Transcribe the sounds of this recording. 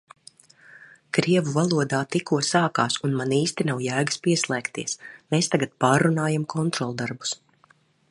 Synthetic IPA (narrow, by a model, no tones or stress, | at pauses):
kɾiɛvuvalˠuɔd̪aːt̪ikuɔsaːkaːsunmaniːst̪inawjæːɡaspiɛslˠɛːkt̪iɛsmeːst̪aɡat̪̚paːɾːunaːjamkʰɔnt̪ɾɔlˠd̪aɾbu̥s